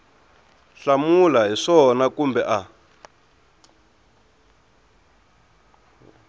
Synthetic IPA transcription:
ɬamulaɦiʂɔnakumbɛʔa

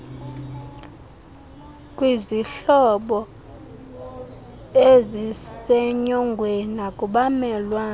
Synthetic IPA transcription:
kʼwiziɬɔɓɔ | ezisɛɲɔŋɡʱwɛnakʼuɓamɛlwaː

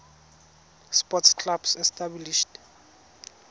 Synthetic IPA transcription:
spʼɔtskʰlabsɛstʼabliʃt

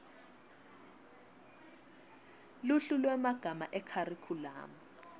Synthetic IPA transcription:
luɬulwɛmaɡ̥ʱamaʔɛkʰarikʰula̰ːma

